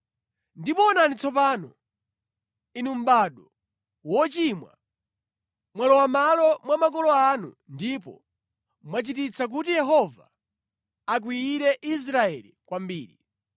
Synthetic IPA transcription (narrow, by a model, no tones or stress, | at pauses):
ndipɔːnanit͡sɔp̬aːnɔ | inum̩baɗɔ | wɔt͡ʃimwa̰ | mwalɔwamalɔmwamak̬ɔlɔanṵ | ndip̬ɔ̰ | mwat͡ʃit̬it͡sak̬utijɛɦɔva̰ː | k̬wiːɾɛʔis̬ɾaɛlikwambiːɾḭ